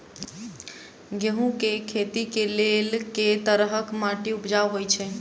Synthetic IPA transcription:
ɡeɦũkekʰet̪ikelelket̪əɾɦəkmaʈiupd͡ʒaʋɦojt͡ʃʰɛ

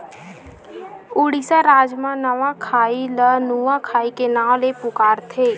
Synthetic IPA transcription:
ʊɽisaɾaːd͡ʒmãnəʋãkʰaːilənuːãkʰaːikenãːlepʊkaːɾt̪ʰeː

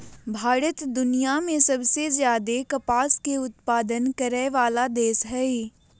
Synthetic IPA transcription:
bʱaːɾət̪d̪ʊnijamẽsɐbsezjaːd̪ekɐpaːskeʊt̪̚paːd̪ənkɐɾɛʋaːlad̪eːsɦɛe

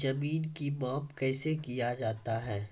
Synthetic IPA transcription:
zɐmiːnkimɔːpkɛːsekijad͡ʒaːt̪aɦɛː

